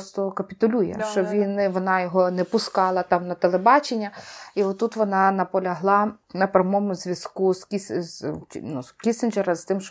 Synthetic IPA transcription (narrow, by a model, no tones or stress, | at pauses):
st̪ɔkɐpʲit̪ʊlʲujɛ̰ʃt͡ʃɔʋʲinʋɔnɑjɔɦɔnɛpʊskɑlˠɐt̪ɑmnɐt̪elˠebɑt͡ʃenʲːɐiɔtt̪ːut̪ʋɔnɑnɐpɔlʲɐɦlˠɑ | nɐpɾʲɐmɔmʊzʲʋʲjɐskuzkʲisznuskʲisɪnd͡ʒeɾɐst̪ɪmʃt͡ʃ